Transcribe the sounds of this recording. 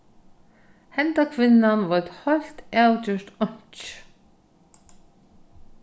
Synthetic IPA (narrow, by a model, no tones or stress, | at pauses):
hɛnt̪akʰvɪnːanvɔt̪hɔlt̪awcʏʃt̪ɔɲ̥t͡ʃ